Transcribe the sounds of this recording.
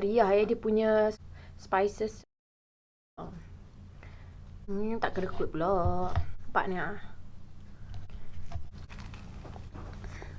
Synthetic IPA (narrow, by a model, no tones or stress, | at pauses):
ɾiaɦajadipuɲə̃spajsəs | t̪aʔkəɾəkut̪̚plɔʔpa̰ʔnia